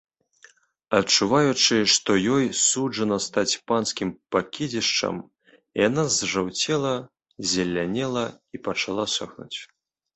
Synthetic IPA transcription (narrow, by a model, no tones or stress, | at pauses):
ɐt̪t͡ʂuvajut͡ʂɨʂt̪ɔjɔjsud͡ʐɐnɐst̪at͡sʲpanskʲimpakʲid͡zʲiʂt͡ʂɐ̰m | ijanazʐawt͡sʲɛlˠɐ | zʲalʲːanʲɛlˠɐipɐt͡ʂalˠasɔxnṵt͡sʲ